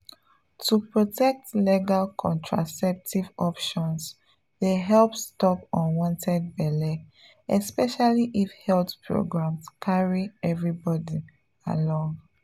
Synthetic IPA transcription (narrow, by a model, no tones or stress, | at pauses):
tupɹotʰɛk̚tleɡalkʰɔ̰̃ntʰɹa̰sɛp̚tivɔpʃɔ̃ns | deɦɛlpstɔpɔ̃nwɔ̃ntʰɛd̚bɛle | ɛspɛʃaliʔifhɛltpʰɹo̰ɡɹãmskʰaɹiɛvɹibɔdi | a̰lɔ̃ŋ